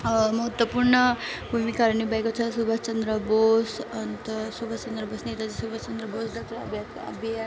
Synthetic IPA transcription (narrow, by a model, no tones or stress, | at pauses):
məɦət̪ːʋəpuɾɳə | bʱumikaɾɳibajkot͡sʰasubʱət͡ʃənd̪ɾəbosənt̪əsubʱət͡ʃənd̪ɾəbosnet̪ad͡zisubʱat͡ʃənd̪ɾəbosd̪ak̚t̪ɐɐ̰bʱjat̪ | ɐ̰bʱja